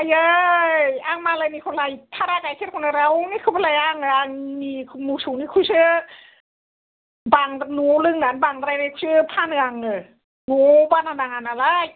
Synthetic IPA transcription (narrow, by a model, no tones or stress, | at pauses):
ʔajəːjʔaːŋmaːlajniːkʰolajt̪ʰaɾaːkaːtʰet̚kʰonaɾawnikʰɯbalajaːŋaaŋnikʰmuːsuːnikʰusɯ | baŋnulɯŋnanbaːŋt̪aɾajnakʰuɯpʰaːnɯaŋɯ | nubaːnanaŋanalaj